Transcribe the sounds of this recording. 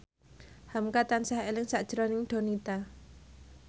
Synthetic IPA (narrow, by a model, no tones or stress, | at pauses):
hamkat̪ansahelɪŋsaʔd̥ʒ̥əɾɔnɪŋd̪̥o̤nit̪a